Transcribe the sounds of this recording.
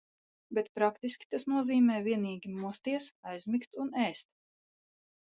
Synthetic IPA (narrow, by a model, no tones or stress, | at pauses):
bet̪pɾakt̪iskʲi̥t̪asnuɔziːmɛːvʲiɛniːɡʲimust̪iɛsɑjzmikt̪unɛːst̪